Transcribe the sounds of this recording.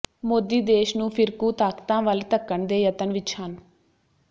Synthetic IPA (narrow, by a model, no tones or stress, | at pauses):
moːd̪iːd̪eːʃnũːpʰɪɾkuːt̪aːkt̪ãːʋəlt̪əkːəɳd̪eːjət̪ənʋɪt͡ʃhən